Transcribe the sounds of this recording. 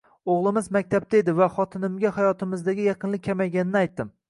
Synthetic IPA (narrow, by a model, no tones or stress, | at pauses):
oʁlˠɪmɪzmak̚ʲt̪ʰap̚t̪ʰaed̪ɪvaχɒt̪ʰɪnɪmɡʲahajɒt̪ʰɪmɪzd̪aɡʲɪjɑqʰɨnlˠɪkʲʰːamajɡʲanɪnɪajt̪ːɪm